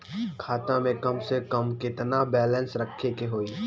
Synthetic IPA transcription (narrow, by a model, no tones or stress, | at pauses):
kʰaːt̪ãmẽkɐmsekəmkɪt̪nabɛːlə̃nsɾɐkʰːekeɦoːiː